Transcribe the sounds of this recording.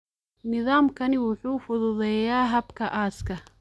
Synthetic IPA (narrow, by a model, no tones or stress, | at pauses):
nɪðaːmkʰɐnɪwʊħuːfʊðʊðɛjaːɦɐbkʰɐʔaːskʰɐ